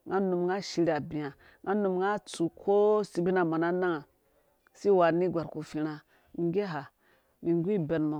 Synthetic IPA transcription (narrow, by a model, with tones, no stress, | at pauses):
ŋɡa˦nu˨mŋɡa˦ʃi˧ɾa˨bi˨ja˨ | ŋɡa˦nu˨mŋɡa˦t͡su˨kʰo˦si˨bi˦na˨ma˨na˦na˦ŋa˨ | si˦wa˨ni˦ɡʷa˨ɾku˨fi˦ɾa˦ | ŋ˦ɡe˦ɦa˨ | mi˨ŋ˦ɡʷi˦˨be˨nmo˨